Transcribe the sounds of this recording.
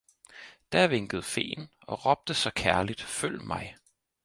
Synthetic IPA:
d̥æɐʋe̝ŋɡ̥əð̞̩ˠfe̝̰ːnɒ̽ʁɒb̥̚d̥əsɒ̽kʰæɐlid̥føl̰mɑ̈ɪ

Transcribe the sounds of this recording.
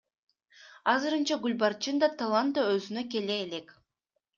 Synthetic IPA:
ɑzɯɾɯnt͡ʃɑɡulʲbart͡ʃɯnd̪ɑt̪ʰalˠant̪aøzynøke̞leːle̞k

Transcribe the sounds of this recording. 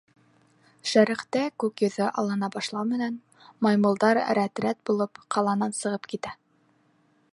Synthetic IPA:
ʃæɾɘ̆χt̪ækʉkjɤ̆ðɤʔɑlˠɤ̆nɑbɑʃlˠɑwmɘ̆næn | mɑjmɤ̆lˠd̪ɑɾɾæt̪ɾæt̪̚bulˠɤpqʰɑlˠɑnɑnsɤ̆ʁɤpkit̪æ

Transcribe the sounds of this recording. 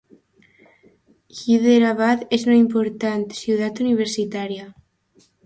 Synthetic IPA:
ʝiðeɾaβaðeznoimpoɾt̪ant̪sjuð̞at̪uniβ̞eɾsit̪aɾja

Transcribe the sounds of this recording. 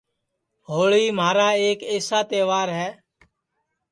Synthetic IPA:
ɦoːɭiːmaːɾaːeːkeːsaːt̪eːʋaːɾɦɛː

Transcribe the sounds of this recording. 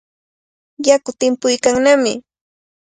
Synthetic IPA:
jakʊt̪ɪmpʊjkaŋnamɪ

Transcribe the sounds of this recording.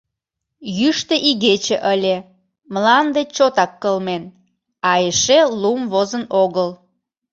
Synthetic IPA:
jyʃt̪ĕʔiɣet͡ɕeʔəlʲe | məlɑnd̪et͡ɕot̪ɑkːəlmen | ɑeʃelumβozənoɣəl

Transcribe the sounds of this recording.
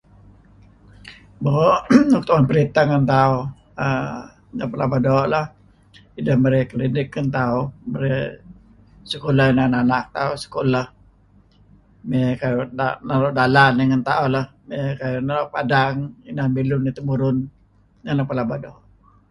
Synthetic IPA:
booʔok̚t̪awanpəɾit̪aŋant̪au | ə | napəlabadɔʔlah | idahməɾekəlidɪkːant̪auməɾɛ | səkolahinananak̚t̪ausə̥kolah | mekajdanalɔdalaniŋant̪aulahmekajanaoʔpadaŋinanbilʊnːit̪umuɾʊn | ŋanapəlabadɔʔ

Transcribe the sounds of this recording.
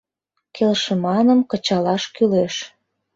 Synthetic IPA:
kelʃə̆mɑnə̆mkə̆t͡ɕɑlɑʃkyleʃ

